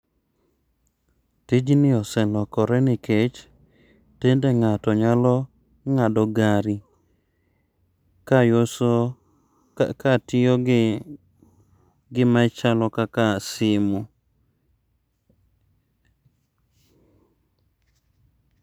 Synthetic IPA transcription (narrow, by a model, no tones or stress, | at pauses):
tid͡ʒnɪɔsɛlɔkɔɾɛnɪket͡ʃ | tendeŋatɔɲalɔ | ŋadɔɡaɾi | kaos | katɪjo | ɡɪmat͡ʃalɔkakasɪmu